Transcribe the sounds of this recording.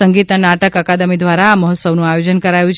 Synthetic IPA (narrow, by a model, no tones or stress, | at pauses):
əŋɡit̪anaʈəkəkad̪əmid̪ʋaɾaːməɦɔt̪səʋnũajod͡ʒənkəɾajũt͡ʃʰ